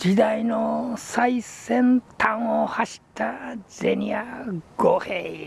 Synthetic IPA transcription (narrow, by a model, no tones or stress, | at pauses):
d͡ʑid̪ainosaisẽ̞nt̪ʰãɰ̃ohaɕi̥t̪azḛɲʲiaɡ̥ohe